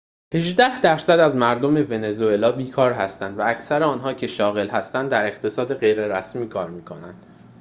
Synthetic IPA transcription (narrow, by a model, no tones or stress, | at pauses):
he̞ʒd̪æhd̪æɾsæd̪æzmæɾd̪o̞me̞ve̞ne̞zoe̞lɒːbiːkʰɒːɾɦæst̪ænd̪vææcʰsæɾeɒːnɦɒːcʰe̞ʃɒːɣe̞lɦæst̪ænd̪ːæɾe̞χt̪ʰe̞sɒːd̪e̞ɣe̞jɾe̞ɾæsmiːkʰɒːɾmiːkʰo̞nænd̪̥